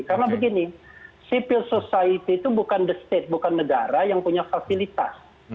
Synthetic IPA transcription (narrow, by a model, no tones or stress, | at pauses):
karnabəɡinisipilsosait̪iːt̪ubukandəst̪et̪̚bukanːəɡaɾajaŋpuɲafasilit̪a̰s